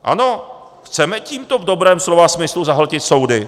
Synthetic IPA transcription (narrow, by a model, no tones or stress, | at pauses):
ʔa̰no̞ | xt͡sɛmɛciːmt̪o̞vdo̞bɾɛːmslovasmɪsluzaɦl̩cɪt̪so̞wdɪ